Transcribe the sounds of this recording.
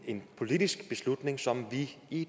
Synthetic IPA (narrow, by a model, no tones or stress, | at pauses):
e̝npʰo̝lid̥isɡ̥b̥e̝slud̥ne̝ŋsɒ̽mʋii